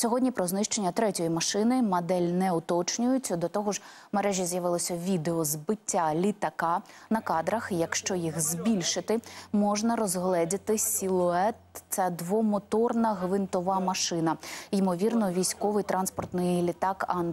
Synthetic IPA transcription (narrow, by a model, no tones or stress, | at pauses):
sʲɔɦɔdʲnʲipɾɔznɪʃt͡ʃenʲːɐt̪ɾɛtʲɔjimɐʃɪnɪmɐd̪ɛlʲnɛʊt̪ɔt͡ʃnʲʊjʊtt͡sʲɐd̪ɔt̪ɔɦɔʒ | meɾɛʒʲjɐzʲjɐʋɪlˠɔsʲɐʋʲid̪eɔzbɪtʲːalʲit̪ɐkɑ | nɐkɑd̪ɾɐxjɐkʃt͡ʃɔjixzbʲilʲʃɪt̪ɪmɔʒnɐɾɔzɦlˠɛdʲɪt̪ɪsʲilˠʊɛt̪t̪sɛd̪ʋɔmɔt̪ɔrnɐɦʋɪnt̪ɔʋɑmɐʃɪnɐɪmɔʋʲirnɔʋʲijsʲkɔʋɪjt̪ɾʔɑnspɔrt̪nɪjlʲit̪ɑkɑn